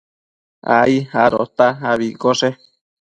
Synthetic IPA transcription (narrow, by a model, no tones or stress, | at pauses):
a̰ihaɾo̰t̪aɦaβikoʂe